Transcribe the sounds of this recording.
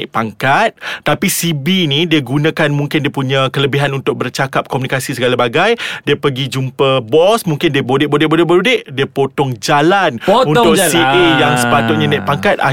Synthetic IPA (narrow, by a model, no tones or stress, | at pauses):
ʔ̚paŋkat̪̚ːapisibinĩdiəɡunãkanmũŋkɪndiəpuɲãkələbiɦanunt̪ʊk̚bərt͡ʃakap̚komunikasisəɡalabaɡajdiəpəɡid͡ʒumpəbɔsmuŋkɪndiəbodɪʔbodɪʔbodɪʔbəɾudɪʔdiəpot̪ɔŋd͡ʒalanunt̪ʊksiejaŋsə̥pat̪ʊʔ̚ɲãnãʔ̚paŋkat̪̚a̰